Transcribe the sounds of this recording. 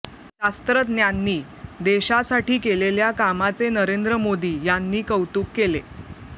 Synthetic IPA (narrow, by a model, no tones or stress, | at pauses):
ɕast̪ɾət̪njanːiː | d̪eɕasaʈiːkeleljakamat͡senəɾend̪ɾəmod̪iːjanːiːkəwt̪uːkːele